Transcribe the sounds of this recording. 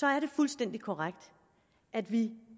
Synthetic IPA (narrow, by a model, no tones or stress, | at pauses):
sɒ̽æɐɾe̝fulsd̥en̰d̥ikʰɒʁaɡ̥d̥ | ʔæd̥ʋi